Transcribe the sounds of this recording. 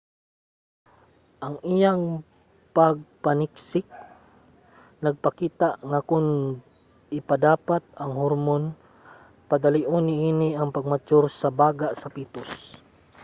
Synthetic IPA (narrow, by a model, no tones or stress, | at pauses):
ʔaŋɪjaŋ | paɡ̚panɪksɪk̚ | nɐɡ̚pakiːt̪aʔŋakʊn | ɪpad̪aːpat̪̚ɐŋhoɾmon | pad̪aliʔʊnːɪʔiːnɪɐŋpaɡ̚mat͡ʃʊɾsabaːɡaʔsɐpiːt̪ʊs